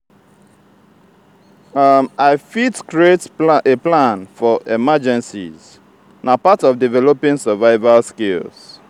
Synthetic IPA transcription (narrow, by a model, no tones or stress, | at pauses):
amaɪfitkɹieteplãnfɔʔɛmad͡ʒɛ̃nsḭz | napatɔfdivɛlɔpĩŋsəvaɪvalskelz̥